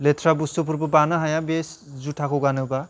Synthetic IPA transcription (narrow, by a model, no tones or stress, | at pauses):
letʰɾabustupʰuɾbɯbanɯɦajabes | zutʰakʰɔɡanɯba